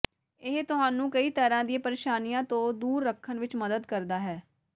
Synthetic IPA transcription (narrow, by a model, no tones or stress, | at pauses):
ɪɦt̪ʊɦaːnũːkəiːt̪əɾãːd̪iẽːpəɾeːʃaːnijãːt̪õːd̪uːɾːəkʰːənʋɪt͡ʃməd̪əd̪kəɾd̪aːɦɛː